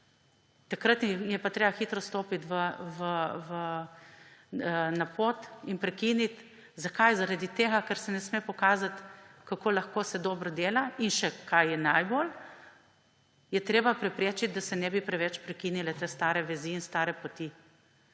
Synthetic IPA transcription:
t̪akɾət̪njɛpat̪ɾeːbaxiːt̪ɾɔst̪oːpit̪ʋəʋəʋə | napot̪inpɾɛkinit̪ | zakajzaɾad̪it̪eːɡakɐɾsɛnɛsmeːpɔkaːzat̪kakoːlaxkoːsɛd̪ɔːbɾɔd̪eːlainʃɛkʰajjɛnajbol | jɛt̪ɾeːbapɾɛpɾeːt͡ʃit̪̚d̪asɛnɛbipɾɛʋɛt͡ʃpɾɛkinilɛt̪est̪aːɾɛʋɛziːnst̪aːɾɛpot̪i

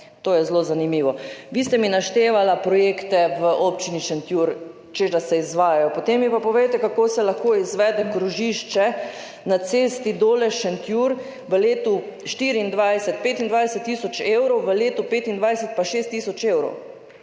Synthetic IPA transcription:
t̪oːjɛzloːzanimiːʋɔʋiːst̪ɛminaʃt̪eːʋalapɾɔjekt̪ɛʋəʔopt͡ʃiniʃɛnt̪juɾ | t͡ʃeʒasɛizʋaːjajɔpot̪emːipapɔʋejt̪ɛkakoːsɛlaxkoːizʋɛd̪ɛkɾuʒiʃt͡ʃɛ | nat̪seːst̪id̪oːlɛʃɛnt̪juɾ | ʋəleːt̪uʃt̪iɾiːnd̪ʋajsɛt̪̚peːt̪ind̪ʋaːjsɛt̪ːiːsɔt͡ʃewɾɔwʋəleːt̪upeːt̪ind̪ʋajsɛt̪̚paʃeːst̪ːisɔt͡ʃeːwɾɔ̰w

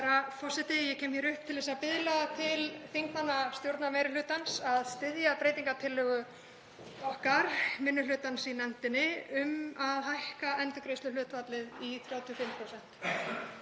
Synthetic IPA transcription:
ɾafɔr̥sɛt̪ɪjɛkcʰɛːmçɛɾʏhpt̪ʰɪlðɛs̬apɪðlat̪ʰɪlθiŋkmanːast̪jowɾt̪namɛːɾɪlʏːt̪ansaðst̪ɪðjapɾejt̪iŋkat̪ʰɪlːʏɣʏ | ɔhkaɾ̥mɪnːʏlʏːt̪ansinɛn̥t̪ɪnːɪʏmaðɦajhkaɛnt̪ʏkɾeːjst̪ʏlʏːt̪vat̪lɪðiθɾjaːwt̪ʰiɔfɪmpʰɾowsɛn̥t̪

